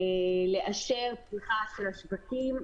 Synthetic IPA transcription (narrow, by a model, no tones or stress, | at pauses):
ele̞ʔaʃeʁpʁiχaʃelaʃvakim